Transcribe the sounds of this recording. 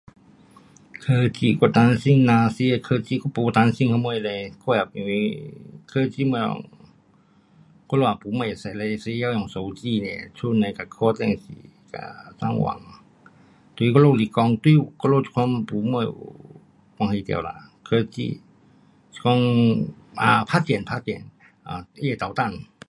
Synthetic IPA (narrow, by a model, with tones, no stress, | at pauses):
kʰɤː˧t͡ɕi˧˩˨kɔ˧˩t̪aː˧nsi˧˩˨ŋnaː˧si˧kʰəː˧t͡ɕiː˧˥˨kɔ˧˦pu˨˦˧t̪aː˧nsi˧˨ŋkʰa˧mu˧˨jlə˧jkʰɔ˧˩˨jaː˨˩k̚i˨wi˧kʰɤː˧˨t͡ɕiː˧˨mu˧˨lɔ̰˧˨ŋ | kɔ˧˥˨lo˧˩ʔa˨pu˨˧˦mu˧˩˨ja˨sa˨˩˨lə˧si˧ja˧˨˧jɔ˨ŋso˨˦wt͡ɕiː˧˨nɛ̰˧˩t͡ʃʰu˧˥˨na˧˨ka˧˩kʰɔː˧˨t̪ɛ˧˨ŋsḭ˧˨˧ | ka̰˧˩sa˧˥˨ŋwa̰˨˧˦ŋ | t̪i˧kɔ˧lo˧li˧kɔ˧ŋt̪wi˧kɔ˧lo˧˩˧kʰwa˧˥˨mpu˨˦mu˧˥˨j̰ | ka˧ŋht̪ḭ˧ə˨wla̰˧˨kʰɤː˧t͡ɕḭ̥˧˨˧ | kɔ˧ŋ | ʔa˧pʰaː˧˥t͡ɕɛ˨˩˨npʰa˧˥t͡ɕɛ˨n | ʔa˨˩ʔe˧˩˨t̪a˨˩t̪a˧˩˨n